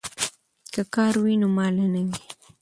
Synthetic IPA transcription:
kakaːɾwinʊmaːlanaŋi

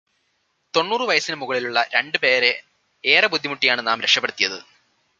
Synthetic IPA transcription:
t̪o̞nːuːrɨʋɐjɐsinɨmuɣɐɭiluɭːɐɾe̞ɳɖɨpe̞ːɾe̞ | eːrɐbud̪ʱːimuʈːijaːɳɨnaːmɾekʂɐpːeɽut̪ːijɐðɨ

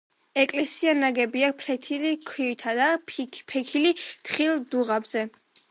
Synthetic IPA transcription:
ɛkʼlɛsianaɡɛbiak̚pʰɾɛt̪ʰilikʰwit̪ʰad̪apʰɛkʰilit̪χilˠd̪uʁabz̥ɛ

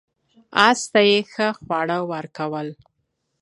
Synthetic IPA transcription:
ɑst̪ajexəxwɑɽəwaɾkawəl

